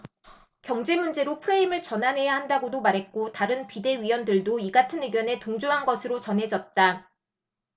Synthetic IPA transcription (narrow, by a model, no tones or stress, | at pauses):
kjʌŋd͡ʑe̞mund͡ʑe̞ɾopʰɯɾeimɯɭt͡ɕʌnɦanɦe̞jahandaɡodomaɾɦe̞t̚k͈otaɾɯnpide̞ɥiwʌndɯɭdoiɡatʰɯnɯɡjʌne̞toŋd͡ʑoɦanɡʌsʰɯɾot͡ɕʌnɦe̞d͡ʑʌt̚t͈a